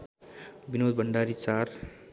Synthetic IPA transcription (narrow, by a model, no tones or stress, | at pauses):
binod̪̚bʌɳɖaɾit͡sar